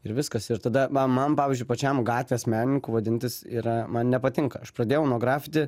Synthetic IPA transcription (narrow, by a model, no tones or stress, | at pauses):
ɪɾʋʲɪskɐsɪɾt̪ɐd̪ɐʋɐmɐnpɑːʋʲɪzʲd͡ʒʲʊɪpɐt͡ʃʲɛmɡɑːt̪ʲʋʲeːsmʲæːnʲɪnʲɪŋkuːʋɐd̪ʲɪnʲt̪ʲɪsiːɾɐmɐnnʲɛpɐt̪ʲɪŋkɐɐʃpɾɐd̪ʲeːjɛʊnuɔɡɾɑːfʲɪt̪ʲɪ